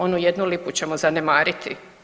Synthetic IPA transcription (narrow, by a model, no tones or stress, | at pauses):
onujed̪nuliput͡ɕe̞mozane̞maːɾit̪ʰḭ